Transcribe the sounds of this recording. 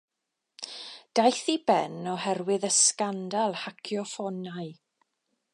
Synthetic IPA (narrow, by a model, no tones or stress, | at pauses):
d̥ajθibɛnɔhɛrwɪðəskandalˠhakʰjɔfɔnaɨ